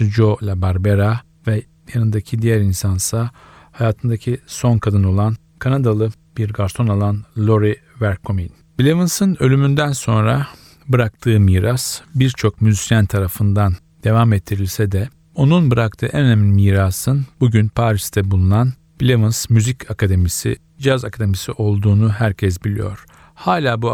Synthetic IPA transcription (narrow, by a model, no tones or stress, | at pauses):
d͡ʒo̞lʲabaɾbeɾa | vɛ | janɯnd̪acʰid̪ijæɾinsansa | hajaːt̪ʰɯnd̪acʰiso̞nkʰad̪ɯno̞lˠan | kʰanad̪alˠɯ | b̥iɾɡaɾt̪ʰo̞nalˠanlʲˠo̞ɾi | væɾkʰomin | b̥ilʲevɯnsɯnø̞lʲymynd̪ænso̞nɾa | bɯɾak̚t̪ʰɯːmiːɾasbiɾt͡ʃʰo̞kmyzisijænt̪ʰaɾafɯnd̪an | d̪̥e̞vamɛt̪ʰːiɾilʲsɛd̪ɛ | o̞nunbɯɾak̚t̪ʰɯːʔɛnøneminmiːɾaːsɯnbuɟynpʰaːɾist̪ʰɛbulˠunan | bilʲevɯnsmyzicakad̪emisḭ | d͡ʒazakʰad̪e̞misiʔo̞lˠd̪uːnuɦæɾcʰɛs̬bilʲḭjo̞̰ɾ̥ | haːlʲaːbu